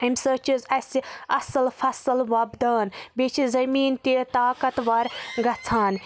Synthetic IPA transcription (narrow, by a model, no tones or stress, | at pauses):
imsət͡ʃizɐsiɐsɨlfɐsɨlʋɐbd̪aːnbit͡ʃʰizɐmiːnt̪it̪aːkɐt̪ʋɐɾɡɐt͡sʰaːn